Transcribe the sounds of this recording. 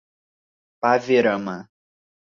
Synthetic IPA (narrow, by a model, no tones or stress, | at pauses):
paveɾəmã